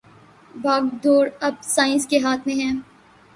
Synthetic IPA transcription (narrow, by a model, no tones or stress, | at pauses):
baːɡd̪oːɾɐb̚saːɪ̃nskeɦaːt̪ʰmẽɦɛ̃ː